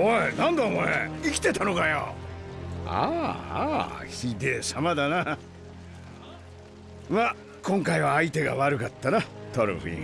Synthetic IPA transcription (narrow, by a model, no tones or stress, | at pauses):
oenãnd̪amoḛikʲi̥t̪e̞t̪ano̞kajo̰ | a̰ | çʲid̪esamad̪ana | ma | kõŋkaiβaːit̪e̞ɡa̰βaɾɯ̟kat̪ːanat̪oɾɯ̰ɸḭ